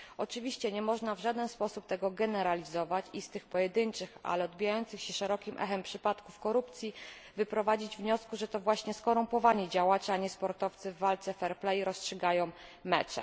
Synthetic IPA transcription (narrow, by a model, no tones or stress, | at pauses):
ɔt͡ʂɘvʲiɕt͡ɕɛɲɛmɔʐnavʐad̪ɛnspɔsup̚t̪ɛɡɔɡɛnɛɾalʲizɔvat͡ɕist̪ɘxpɔjɛd̪ɘnt͡ʂɘxa̰lɛɔd̪̚bʲijajɔnt̪sɘxɕɛʂɛɾɔkʲimʔɛ̰xɛmpʂɘpat̪kufkɔɾupt̪sʲji | vɘpɾɔvad͡ʑid͡ʑvɲɔskuʐɛt̪ɔvwaɕɲɛskɔɾumpɔvaɲɛd͡ʑawat͡ʂɛaɲɛspɔɾt̪ɔft̪sɘvːalt̪sɛfɛɾplɛjiɾɔstʂɘɡajɔ̃w̃mɛt͡ʂɛ̰